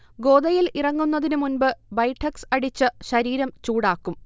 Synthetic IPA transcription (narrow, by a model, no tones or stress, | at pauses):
ɡo̞ːd̪ɐjilirɐŋːunːɐðinɨmunbɨbɐjʈʰːɐksɐɽit͡ɕːɨɕɐɾiːɾɐmt͡ɕuːɽaːkːum